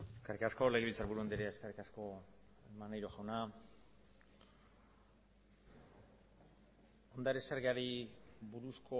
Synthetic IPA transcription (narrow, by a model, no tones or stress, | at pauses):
e̞skerikasko̞le̞ɣeβilt͡saɾβuɾuond̪iɾeeskerikasko̞ | emanajɾoʝawna | o̞nd̪aɾeseɾɣeaɾibuɾusko